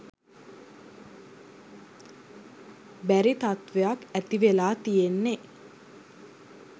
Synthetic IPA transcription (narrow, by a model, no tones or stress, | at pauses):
bæɾit̪at̪ʋejakæt̪iʋelaːt̪ijenːe